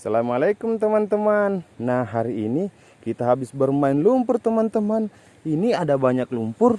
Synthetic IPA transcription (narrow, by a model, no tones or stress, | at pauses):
salamalajkʊmt̪əmant̪əmanːaɦaɾiːni | kit̪aɦabɪsbərmaɪnlumpʊrt̪əmant̪əman | iniadabaɲak̚lumpʊr